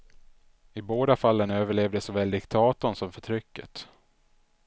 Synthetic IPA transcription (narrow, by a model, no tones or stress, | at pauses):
ɪboːd̪afalːənøːvəɭeːvd̪əsɔvɛld̪ɪkt̪ʰɑːt̪ɔnsɔmfœʈʰɾʏkːə̰t̪